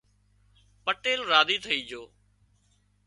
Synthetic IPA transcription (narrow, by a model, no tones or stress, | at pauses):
pəʈeːlɾaːd̪iːt̪ʰəiːd͡ʒoː